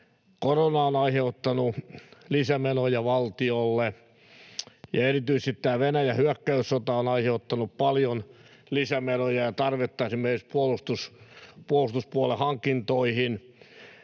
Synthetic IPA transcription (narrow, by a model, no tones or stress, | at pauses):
koronɑonɑiheut̪ːɑnulisæmenojɑʋɑlt̪iolːe | jɑerit̪yist̪it̪tæːʋenæjæhyækːæysːot̪ɑonɑiheut̪ːɑnuppɑljonlisæmenojɑjɑt̪ɑrʋet̪ːɑesimːerkikspuolust̪uspuolust̪uspuolehɑŋkːˑint̪oihin